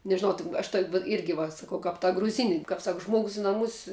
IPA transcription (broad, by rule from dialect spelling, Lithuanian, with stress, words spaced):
nʲɛʒʲɪˈnɐʊ tʲɪn ɐʃ toːkʲ ʋɐt ˈɪrʲɡʲɪ ʋɐ sɐˈkɐʊ kɐp tɐ ɡrʊˈzʲɪnʲɪ kɐp ˈsɐk ˈʒmoːɡʊs ɪ nɐˈmʊs